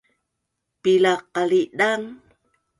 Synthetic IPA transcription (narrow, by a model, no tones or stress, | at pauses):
pilaqːaliʔdaŋ